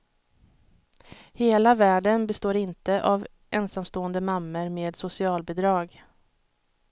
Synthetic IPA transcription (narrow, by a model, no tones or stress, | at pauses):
heːlavæːɖənbɛst̪oːɾɪnt̪əʔav | ʔɛnsamst̪oːənd̪əmamːəɾmeːd̪sʊsɪɑːlbɛd̪ɾɑːɡ